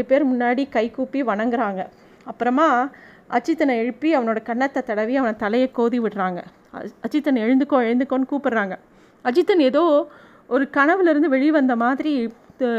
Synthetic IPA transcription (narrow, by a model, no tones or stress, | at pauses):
ɯpeːɾmʊnːaːɽikɐɪkuːpːiʋɐɳɐŋɡɪɾaːŋɡɐ | ɐpːɯɾɐmaː | ʔɐt͡ʃːɪt̪ːɐnɐɛɻɯpːiɐʋɐnoːɽɐkɐɳːɐt̪ːɐt̪ɐɽɐʋiɐʋɐnɐt̪ɐlɐjɐkːoːðiʋɪɽɾaːŋɡɐ | ɐt͡ʃːɪt̪ːɐnɛɻɯnd̪ɯkːõːɛɻɯnd̪ɯkːõnɯkuːpɪɽɾaːŋɡɐ | ɐt͡ʃɪt̪ːɐneðoː | ɔɾɯkɐɳɐʋɪlɪɾɯnd̪ɯʋɛɻiʋɐnd̪ɐmaːðɪɾi